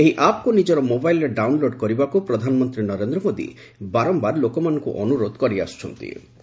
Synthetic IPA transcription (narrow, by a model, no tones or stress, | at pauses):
eɦiʔap̚kunid͡ʒɔɾɔmobajlɾeɖawnloɖkɔɾibakupɾɔd̪ʱanɔmɔnt̪ɾinɔɾend̪ɾɔmod̪ḭ | baɾɔmbaɾlokɔmanɔ̃ŋkṵʔɔnuɾod̪kɔɾia̰st͡ʃʰɔnt̪ḭ